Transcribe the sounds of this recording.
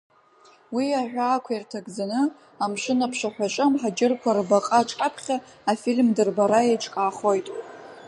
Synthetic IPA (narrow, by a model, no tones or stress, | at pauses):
wiaħᶣʷaːkʷʰairtʰaɡd͡zanɨ | amʂɨnapʰʂaħʷᶣat͡ʃʷʼamħad͡ʒɪrkʷʰarbaqʼaʈ͡ʂʼkʼapʰχʲaːfilmdɨrbaɾaet͡ʃʼkʼaːχojtʼ